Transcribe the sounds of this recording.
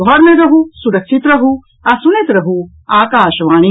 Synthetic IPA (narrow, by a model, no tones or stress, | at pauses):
ɡʱɔːɾmẽɾɐɦusuɾɐkʃit̪ɾɐɦu | ɐsunet̪ɾɐɦu | aːkaːʃʋaːɽ̃i